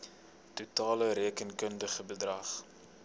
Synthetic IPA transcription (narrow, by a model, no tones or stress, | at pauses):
tutɑːləɾiəkənkəndəχəbədrɐχ